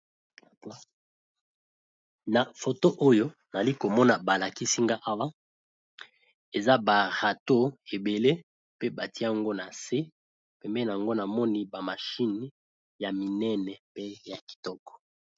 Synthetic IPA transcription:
na˨fo˨to˦ʔo˦jo˦na˨li˦ko˨mɔ˦na˨ba˨la˨ki˦si˦ŋɡa˦ʔa˦wa˦ | e˨za˦ba˨ʁa˨to˦e˨be˨le˦ | pe˦ba˨ti˦˨ŋɡo˦na˨se˦ | pɛ˨mbɛ˦na˨ŋɡo˦na˨mɔ˦ni˦ba˨ma˨ʃi˦ni˨ | ja˨mi˨nɛ˦nɛ˨pe˦ja˨ki̥˨tɔ˦kɔ̥˨

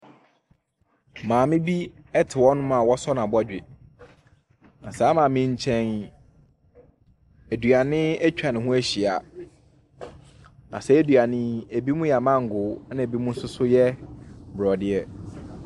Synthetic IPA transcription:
mãː˨mɪ̃˦bi˦ | ɛ˦tʰɪ˨wɔ˦nʊ̃˦mã˨wɔ˦sɔ˦nã˨bɔ˦d͡ʑᶣɪ˨ | nã˨saː˨˦mãː˨mɪ̃˦ɲ˦t͡ɕʰɛ̃˦n | æ˨du˨a˨nɪ̃˦æ˦t͡ɕᶣa˨nɪ̃˨hũ˦æ˦ɕi˨a˨ | nã̰˨sɛ˦e˦dɥa˨nɪ̃˦e˨bi˦mũ˦jɛ˨a˨mã˦ŋ̩˨ɡʊ˨˦nã˦˨e˨bi˦mũ˦n̩˦sʊ˦sʊ˦jɛ˦bɾɔ˨dɪ˦ɛ˦

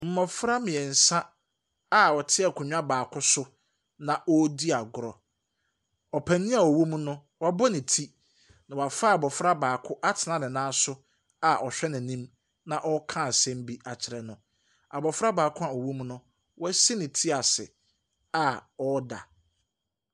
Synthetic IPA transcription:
m̩˨˦mɔ̃˨fɾa˦mɪ̃˨ɛ˨n̩˨sã˦ | a˨ɔ˨tʰɪ˦ɛ˨kʰʊ˨ɲᶣ˦a˦baː˨kʰʊ˦sʊ˦ | nã˨ʔɔ˦di˦a˨ɡʊ˨ɾɔ˨ | ɔ˨pʰæ̃˨nĩ˦a˨ɔ˨wũ˦m˦nʊ̃˦ | wɔ˦bɔ˦nɪ̃˨tʰi˦ | nã˨wa˨fa˦a˨bɔ˨fɾa˦baː˨kʰʊ˦ʔa˦tʰɪ˨nã˦nɪ̃˨nãː˦sʊ˦ | a˨ʔɔ˨ɕᶣɛ˦nɪ̃˨nĩ˦m | nã˨ʔɔ˦kʰã˦˨sɛ̃˦m˦bi˦ʔa˨t͡ɕʰɪ˨ɾɛ˨nʊ̃˨ | a˨bɔ˨fɾa˦baː˨kʰʊ̃˦a˨ɔ˨wũ˦m˦nʊ̃˦ | wɔ˦si˦nɪ̃˨tʰi˦a˨sɪ̰˨ | a˨ɔ˦da̰˨

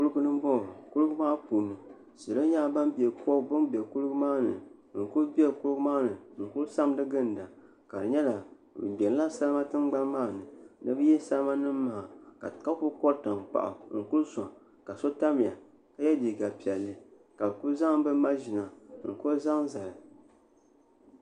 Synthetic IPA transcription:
ku˦lɨ˦ɡu˦nɨ˦m˦bɔ˦˨ku˦lɨ˦ɡmaː˦puː˨nu˨ | sɨ˨lo˦ɲaː˦ba˦mbɛ˨kɔ˦bʊ˦nbe˨ku˦lɡu˦maː˦nɨ̰˨ŋ̩˨ku˦lbi˦ɛ˦˨ku˦lɨ˦ɡmaː˦nɨ˨ŋ̩˨ku˦lsa˦m˦dɨ˦ɡɨ˦n˨da˨ | ka˨dɨ˨ɲɛ˦la˨ | bɛ˨n˦la˦sa˦lɨ˦ma˦tɨ˦mɡ͡ba˦nmaː˦˨nɨ˨nɨ̰˦bɨ˦jɛ˦sa˦lma˦nɨ˦mːa˦ha˨ka̰˨ka˦kʊ˦kɔ˦ɾta˨ŋk͡pa̰˨ʔa̰˨ŋ̩˨ku˦lsa˨ | ka˨so˦ta˦mɪ˨ja̰˨ | ka˦jɛ˦di˨ɡa˨pi˨ɛ˨lːɨ˦ | ka˨bɨ˨kʊ˦lza˦ŋ˦bɨ˦ma˦ʒɪ˨na˨ŋ̩˨kʊ˦za˦ŋza˨lɨ˨

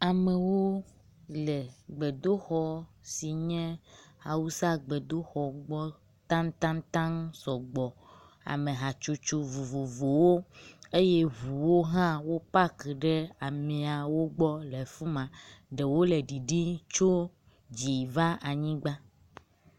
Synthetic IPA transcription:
a˨mẽ˨wo˦ | lɛ˨ɡ͡be˨d̪o˦xɔ˨si˨ɲɛ̃˦ha˨wu˦sa˦ɡ͡be˨d̪o˦xɔ˨ɡ͡bɔ˦ | t̪ã˦ŋt̪ã˦ŋt̪ã˦ŋsɔ˨ɡ͡bɔ˨ | a̰˨mẽ˨ɦa˨t͡ʃo˦t͡ʃo˦vo˨vo˨vo˨wo˦e˦je˦ɦu˨wo˦ɦã˦wo˦pa˦ke˨ɖe˦a˨mẽ˨a˨wo˦ɡ͡bɔ˦le˨fu˦mã˨ɖe˨wo˦le˨ɖi˨ɖi˦t͡ʃo˦ | d͡ʑi˨va˦a˨ɲĩ˦ɡ͡ba˦

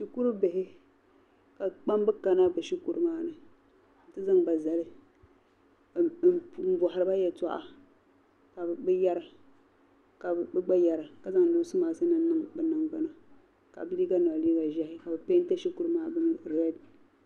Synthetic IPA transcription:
ʃi˨ku˦ɾɨ˦be˨ɦɪ˦ | ka˨k͡pa˦mbɨ˦ka˨na˦bɨ˨ʃi˦ku˦ɾɨ˦maː˦nɨ˨ | tɨ˦za˦ŋba˨za˨lɨ˦˨ | m̩˦bɔ˨ha˨ɾɨ˦ba˦jɛ˨ta˦ʔa̰˨ | ka˨bɨ˦ja˦ɾa˨ | ka˨bɨ˦ɡ͡ba˦ja˨ɾa˨ka˨za˦ŋ˨lo˨˦sɨ˦maː˨˦sɨ˦nɨ˦nɨ˦ŋbɨ˨na˨ŋɡ͡ba˦na˦ | ka̰˨bɨ˦liː˦ɡa˦na˨a˨liː˦ba˨ʒɛ˦hɪ˦ka˨bɨ˨pe˦n˦ta˦ʃi˦ku˦ɾɨ˦maː˦bɨ˦˨ɾɛ˦d

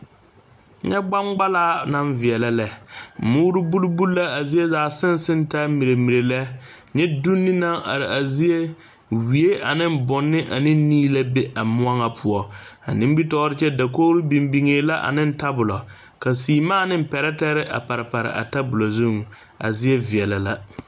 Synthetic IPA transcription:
ɲɛ˦ɡ͡ba˦ŋɡ͡ba˦laː˦na˦ɱvi˨ɛ˨la˦lɛ˨mʊː˦ɾɪ˦bu˦lbu˦la˦a˨zi˦e˦zaː˨sɪ˦n˦sɪ˦n˦ta˦mi˨ɾe˨mi˨ɾe˨lɛ˦ | ɲɛ˦du˦nːɪ˦na˦ŋa̰˨ɾɪ˨ʔa˨zi˦e˦ | wi˨e˦ʔa˨nɪ˦m˦bʊ˨nːɪ˦ʔa˨nɪ˦n˦niː˦la˦be˦ʔa˨mʊ˦a˦ŋa˨pʰʊ˨ɔ˨a̰˨nĩ˦m˦bi˦tɔː˦ɾɪ˦t͡ʃɛ˦da˨k̬oː˦ɾɪ˦bi˨mbi˨ŋeː˨la˦ʔa̰˨nɪ˦n˦ta˦bʊ˨lɔ˨ | ka˨siː˨maː˦˨nɪ˦m˦pɛ˨ɾɛ˦tɛ˦ɾɪ˦ʔa̰˨pa˨ɾɪ˨pa˨ɾɪ̰˨ʔa̰˨ta˦bʊ˨lo˨zu˦ŋ | a̰˨zi˦e˦vi˨ɛ˨la˨la˦

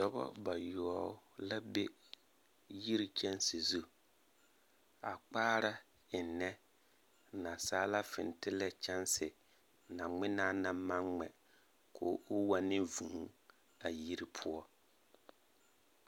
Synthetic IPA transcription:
dɔ˦bɔ̰˦ba˨jɔ˨ɔ˨˦la˦be˦ | ji˦ɾi˦t͡ʃɛ˦nsi˨zu˦ | a˨k͡paː˦ɾa˦ | ɪ˨nːɛ˦ | na˨saː˦la˦fɪ̰˨n˨tɪ˦lɛ˦t͡ʃɛ˦nsɪ˨ | na˨ŋɪ˦naː˦na˨ma˦ŋŋ͡mɛ̰˨ | kʰo̰ː˨˦ʔʊ˦wa˦nɪ˦vu˨˦ | a˨ji˦ɾi˦pʰʊ˦ɔ˦

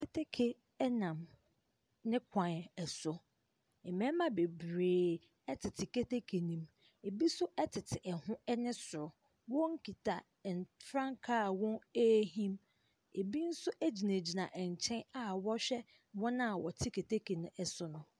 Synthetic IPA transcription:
kʰe˦tʰe˦kʰe˨ | ɛ˦nã˨m | nɪ̃˦kʷʰã˨n˨ɛ˨sʊ˨ | ɛ˨mɛ̃˦mã˦be˨bɾeː˨ | ɛ˦tʰɪ˨tʰɪ˨ke˦te˦kʰe˨nĩ˨m | e˨bi˦sʊ˦ʔɛ˦tʰɪ˨tʰɪ˨ʔɛ˨hʊ̃˦ɛ˦nɪ̃˦sʊ˨ɾʊ˨ | wɔ̃˦ŋ̩˦kʰi˨tʰa˨ | n˨fɾã˦ŋkʰa˦˨wɔ̃˦e˦ɦĩ˦m | e˨bi˦n̩˦sʊ˦ʔæ˦d͡ʑi˨nẽ˨d͡ʑi˨nã˨ʔɛ˨ɲ˨t͡ɕʰɛ̃˦na˨wɔ˦ɕᶣɛ˦ | wɔ̃˦nã˦˨wɔ˨tʰɪ˦kʰe˨tʰe˦kʰe˨nʊ̃˨ɛ˨sʊ˦nʊ̃˦

